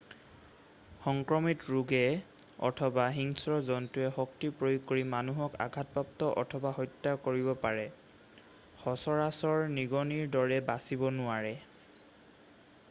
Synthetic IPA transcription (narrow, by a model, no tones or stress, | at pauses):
xɔŋkɹɔmitɹuɡɛ | ɔ̰tʰɔbaɦiŋsɹɔzɔntuɛhɔktipɹojuɡ̚koɹimanuɦɔka̰ɡʱat̚bap̚tɔʔɔ̰tʰɔbahɔjtːakoɹibɔpaɹɛ | xɔsɔɹasɔɹniɡɔniɹdɔɹɛbasibɔnʊaɹɛ